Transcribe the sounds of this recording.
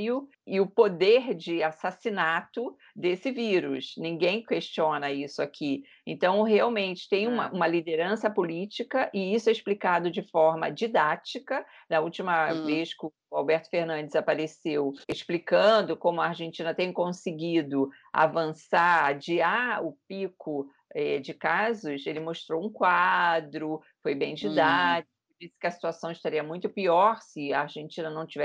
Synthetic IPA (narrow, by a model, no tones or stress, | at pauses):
ʊ | ɪʊpod̪eɾd͡ʒɪasasinat̪ʊ | d̪esɪviɾʊsnĩɡẽj̃keʃt͡ʃiõnɐisʊakʰi | ḛ̃nt̪ɐ̃w̃ɦeawmẽnt͡ʃɪ̥t̪ẽj̃ũmɐʔũmɐlid̪eɾɐ̃sɐpolit͡ʃikɐʔɪisʊɛiʃplikad̪ʊd͡ʒɪfɔɾmɐ̰d͡ʒid̪at͡ʃikɐ | nɐuwt͡ʃimɐveskɪʊ | awbɛɾt̪ʊ̥feɾnɐ̃nd͡ʒɪzapaɾeseweʃplikɐ̃d̪ʊkõmʊɐaɾʒẽnt͡ʃĩnɐt̪ẽj̃kõsɪɡid̪ʊ | a̰vɐ̃sad͡ʒɪaʊpikʊ | ɛd͡ʒɪkazʊselɪmoʃt̪ɾowũkwad̪ɾʊ | fojbẽj̃d͡ʒid̪ad͡ʒɪɪd͡ʒisɪ̥kɪɐsi̥t̪uasiɐ̃w̃ɪʃt̪aɾiɐmũj̃t̪ʊpiɔɾsɪɐːɾʒẽnt͡ʃĩnɐnɐ̃w̃t͡ʃivɛ